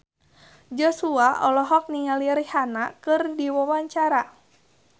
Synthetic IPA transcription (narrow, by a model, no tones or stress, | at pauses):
d͡ʒɔsuaʔɔlɔɦɔk̚niŋaliɾihanakɨrdiwɔwaɲt͡ʃaɾa